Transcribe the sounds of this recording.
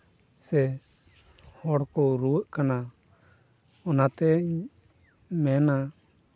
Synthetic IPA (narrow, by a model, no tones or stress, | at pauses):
sɛ | hɔɽkɔɾuwəʔkana | ɔnat̪ɛ | mɛna